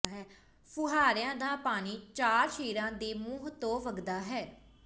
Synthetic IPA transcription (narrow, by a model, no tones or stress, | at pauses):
ɦɛː | pʰʊɦaːɾɪjãːd̪aːpaːniːt͡ʃaːɾʃeːɾãːd̪eːmuːɦt̪õːʋəɡd̪aːɦɛː